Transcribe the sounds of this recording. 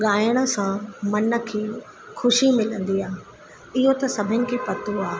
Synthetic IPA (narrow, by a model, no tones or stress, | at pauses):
ɠaːɪəɽ̃ə̆sãmɐnə̆kʰeː | xʊʃimɪlə̃nd̪iaːɦ | ɪɦot̪ɐsɐbʱɪnɪ̆kʰeːpɐt̪uaː